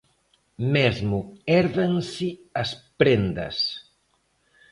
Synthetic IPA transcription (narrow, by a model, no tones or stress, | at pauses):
mezmuɛɾðɐnsiɐspɾend̪ɐ̰s